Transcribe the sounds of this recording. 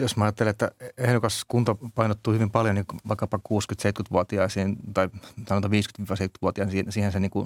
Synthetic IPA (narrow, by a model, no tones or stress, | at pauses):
josmæɑjɑt̪ːeleet̪ːæ̰ehɾokɑskunt̪ɑpɑinot̪ːuːhyʋimpɑljoniːʋɑikːɑpɑkuːskyt̪seit̪kyt̪ʋuot̪iɑisiːnt̪ɑisɑnot̪ɑʋiːskyt̪ʋiːʋɑseit̪ky̥t̪ʋuot̪iɑːˑnːsiːhenseniːŋku